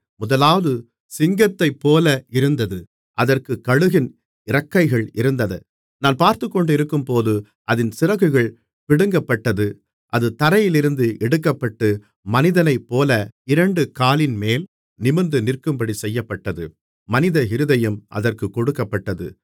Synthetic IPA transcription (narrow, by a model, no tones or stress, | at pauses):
mʊðɐlaːʋɐðɯ | sɪŋɡɐt̪ːɐɪpːoːlɐʔɪɾɯnd̪ɐðɯ | ʔɐðɐrkɯkɐɻɯɣɪn | ɪɾɐkːɐɪɣɐɭɪɾɯnd̪ɐðɐ̰ | naːnpaːɾt̪ɯkːɔɳɖɪɾɯkːɯmpoːðɯ | ʔɐðɪnsɪɾɐɣɯɣɐɭ | pɪɽɯŋɡɐpːɐʈːɐðɯ | ʔɐðɯt̪ɐɾɐjɪlɪɾɯnd̪ɯʔɛɽɯkːɐpːɐʈːɯ | mɐnɪðɐnɐɪpːoːlɐɪɾɐɳɖɯkaːlɪnmeːl | nɪmɐnd̪ɯnɪrkɯmbɐɽisɛjːɐpːɐʈːɐðɯ | mɐnɪðɐɦɪɾɯðɐjɯmʔɐ̰ðɐrkɯkːɔɽɯkːɐpːɐʈːɐðɯ̰